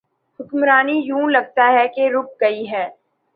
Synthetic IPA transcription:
hʊkmɾaːnijũːlɐɡ̚t̪aɦɛkeɾʊp̚ɡɐiɦɛː

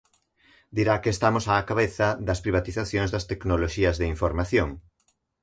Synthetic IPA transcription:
d̪iɾakeːst̪amosaːkaβeθɐd̪ɐspɾiβ̞at̪iθaθjoŋzðɐst̪eknoloʃiɐzðeiɱfoɾmaθjoŋ

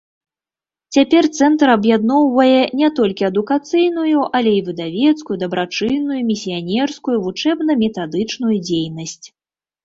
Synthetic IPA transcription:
t͡sʲapʲɛrt̪sɛnt̪ɾɐbjad̪nɔwvɐjɛnʲɛt̪ɔlʲkʲiɐd̪ukat̪sɨjnujuʔɐlʲɛivɨd̪avʲɛt̪skujud̪ɐbɾat͡ʂɨjnːujumʲisʲijanʲɛrskujuvut͡ʂɛbnɐmʲɛt̪ad̪ɨt͡ʂnujud͡zʲejnɐsʲt͡sʲ

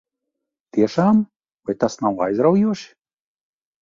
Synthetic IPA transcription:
t̪iɛʃaːm | vajt̪asnawajzɾawjuɔʃi̥

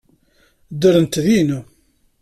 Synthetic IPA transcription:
d̪əɾənt̪ðinu

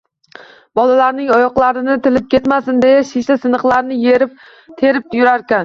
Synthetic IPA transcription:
bɒlalaɾnɪŋɒjɒqlˠaɾɪnɪt̪ʰɪlɪp̚kʲe̞t̪masɪnd̪ejaʃɪʃlasɪnɨqlˠaɾnɪjeɾɪp̚ | t̪ʰeɾɪp̚jʊɾaɾkʲan

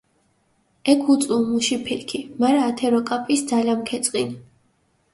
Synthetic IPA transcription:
ɛkʰut̪sʼumuʃipʰilkʰimaɾaːt̪ʰɛɾɔkʼapʼisd̪zalamkʰɛt̪sʼqʼin

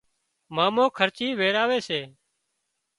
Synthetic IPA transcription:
maːmõːkʰəɾt͡ʃiːʋeːɾaːʋeːseː

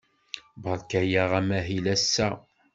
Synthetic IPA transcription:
bʁəɾkæjaʁæmæɦilæsːæ

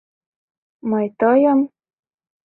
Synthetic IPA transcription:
mɤjt̪ɤjəm

